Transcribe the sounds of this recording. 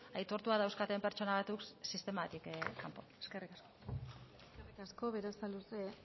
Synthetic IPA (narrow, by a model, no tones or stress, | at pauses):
ajt̪o̞ɾt̪uaðawskat̪empe̞ɾt͡ʃo̞naβat̪uksist̪e̞mat̪ikkampoeske̞rikasko̞eeskerikasko̞βe̞ɾasaluse